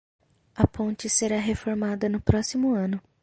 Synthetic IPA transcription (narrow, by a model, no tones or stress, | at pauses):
ɐpõt͡ʃɪseɾaɦefoɾmad̪ɐnʊpɾɔsimʊɐ̃nʊ